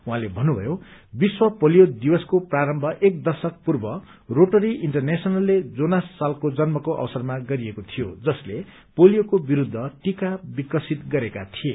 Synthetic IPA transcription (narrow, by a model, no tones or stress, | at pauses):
uɦãlebʱʌnːubʱʌ̰jobiswʌpolijod̪ibʌskopraɾʌmbʱʌʔek̚d̪ʌsʌk̚purbʌ | roʈʌɾiʔiɳʈʌrnesʌnʌlːed͡zonasːalkod͡zʌnmʌkoʔʌ̰wʌsʌrmaɡʌɾiekot̪ʰijod͡zʌsle | polijokobiɾud̪ʱːʌʈikabikʌsit̪ɡʌɾekat̪ʰie